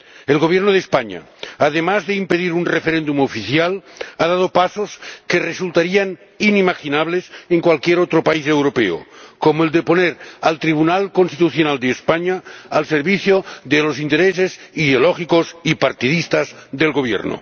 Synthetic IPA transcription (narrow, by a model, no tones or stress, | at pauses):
elɣoβ̞jeɾnoð̞espaɲa̰ | að̞emazðeimpeðiɾunrefeɾend̪umofiθjalaðaðopasoskeresult̪aɾian | inimaxinaβ̞leseŋkwalkjeɾot̪ɾopaisewɾopeo̰komoeld̪eponeɾalt̪ɾiβ̞unalkonst̪it̪uθjonald̪eːspaɲaːlseɾβiθjoðelosint̪eɾeseziðeolɔxikosipaɾt̪iðist̪azðelɣoβ̞jḛɾno̰